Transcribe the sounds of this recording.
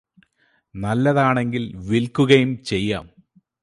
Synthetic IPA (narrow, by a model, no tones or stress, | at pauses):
nɐlːɐðaːɳeŋɡilʋilkuɣɐjumt͡ɕe̞jːa̰ːm